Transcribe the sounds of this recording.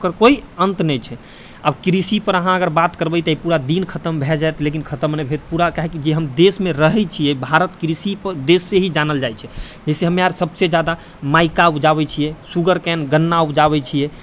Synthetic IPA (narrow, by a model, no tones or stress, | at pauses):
kəɾkoiənt̪nɛjt͡ʃʰɛ | abkɾisipəɾəɦãəɡəɾbat̪kəɾbɛt̪ipuɾad̪inkʰət̪əmbʱɛd͡ʒajt̪lekinkʰət̪əmnebʱet̪puɾakaɦekid͡ʒeɦəmd̪esmeɾəɦɛt͡ʃʰijɛbʱaɾət̪kɾisipəd̪esːeɦid͡ʒanəld͡ʒajt͡ʃʰɛ | d͡ʒɛɪseɦəmeaɾsəbsed͡ʒad̪a | maikaud͡ʒaβɛt͡ʃʰijɛsuɡəɾkɛnɡənːaupd͡ʒaβɛt͡ʃʰijɛ